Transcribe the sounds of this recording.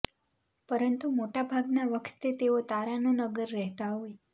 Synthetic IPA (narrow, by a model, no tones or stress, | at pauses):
pəɾənt̪umoʈabʱaɡnaʋəkʰt̪et̪eot̪aɾanonəɡəɾːɛɦt̪aɦoj